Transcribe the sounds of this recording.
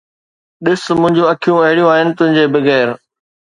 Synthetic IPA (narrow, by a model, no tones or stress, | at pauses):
ɗɪsmʊ̃ɦɪ̃ɲd͡ʑũɐkʰijũɐɦɪɽijũaːɦɪnɪ̆t̪ʊ̃ɦɪ̃ɲd͡ʑeːbɪɣɛːɾ